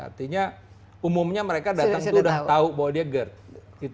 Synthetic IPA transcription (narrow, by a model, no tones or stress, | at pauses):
a̰rt̪iɲa | umʊmɲaməɾekadat̪aŋd̪udah̪aubawadiaɡərt̪̚ | it̪